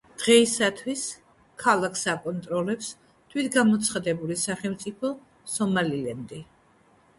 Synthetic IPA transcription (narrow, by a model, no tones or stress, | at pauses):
d̪̥ʁɛisat̪ʰwis | kʰalˠakʰsakʼɔnt̪ʼɾɔlɛps | t̪ʰwid̪ɡamɔt̪sʰχad̪ɛbulisaχɛlmt̪sʼipʰɔ | sɔmalilɛnd̪i